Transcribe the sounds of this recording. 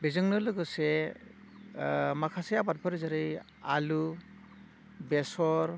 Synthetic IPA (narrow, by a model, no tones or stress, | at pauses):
bezɯŋnɯlɯɡɯse | makʰasejabat̚bʰɯɾzaɾɯj | alu | besɔɾ